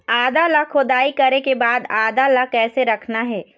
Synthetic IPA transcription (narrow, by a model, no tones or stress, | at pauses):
aːd̪alakʰʊd̪aːikɐɾekebaːd̪aːd̪alakɛːseɾɐkʰnaɦɛː